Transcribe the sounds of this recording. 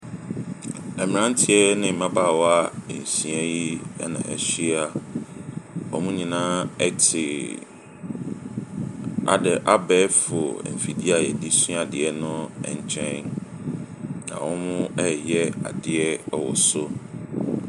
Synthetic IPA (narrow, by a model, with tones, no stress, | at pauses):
ɛ˨mɪ˨ɾã˦n˦tʰɪ˨ɛ˦nɪ̃˦m̩˨mã˦baː˦˨wɔ˦a˦˨n̩˨sĩ˨ɛ˦ji˦ɛ̰˦nã̰˨ʔɛ̰˨ɕi˦a˦ | ɔ̰˨mũ˦ɲĩ˨nãː˦ɛ˦tʰɪ˨ | a̰˨dɛ˨ʔa˦bɛː˦fʊ˨m̩˨fi˨di˦a˨jɛ˨di˦sũ˦a˨dɪ˨ɛ˦nʊ̃˦ɛ̰˨ɲ˨t͡ɕʰɛ̃˦n | nã̰˨wɔ̃˦mʊ̃˦ɛ˦jɛ˦a̰˨dɪ˦ɛ˦wɔ̰˨sʊ˦